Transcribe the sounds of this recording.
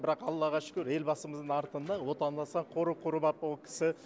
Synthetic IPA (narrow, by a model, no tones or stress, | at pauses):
bɪɾɑqɑlˠɑlˠɑʁɑʃɪ̥kʲɵɾe̞lbɑsəməzd̪ənɑɾt̪ənd̪ɑwo̞t̪ɑnd̪ɑsɑɴqʰoɾəqʰʊɾəbɑpolˠkʲʰɪ̥sɪ